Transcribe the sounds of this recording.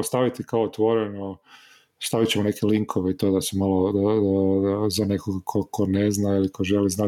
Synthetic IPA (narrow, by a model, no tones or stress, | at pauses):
st̪aʋit̪ikaoot̪ʋo̞ɾeno | st̪aʋit͡ɕemone̞keliŋkʰo̞ʋeit̪od̪asemalo | zane̞koɡakʰokʰo̞neznailikʰo̞ʒeliznaː